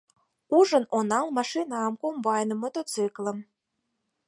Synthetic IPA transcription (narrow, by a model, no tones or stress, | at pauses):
uʒənonɑlmɑʃinɑmkombɑjnə̆mot̪ot͡sɨklə̆m